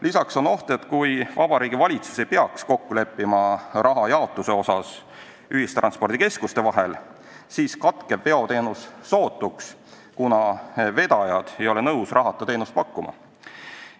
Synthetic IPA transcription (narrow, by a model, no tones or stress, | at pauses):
lisɑkso̞no̞ht̪e̞t̪kujvɑb̥ɑɾiːɡ̥ivɑlʲit̪su̥se̞jpe̞ɑksko̞kːule̞pːˑimɑrʔɑɦɑjɑot̪ːˑuse̞o̞sɑs | yhist̪rɑnspo̞rd̪̥ike̞skust̪e̞vɑɦe̞l | siːskɑt̪ke̞vpe̞o̞t̪e̞ːnusːo̞ːt̪ːˑuks | kunɑve̞d̪̥ɑjɑd̪̥e̞jo̞le̞nɤwsrɑɦɑt̪ːˑɑt̪e̞ːnust̪pɑkːˑumɑ̰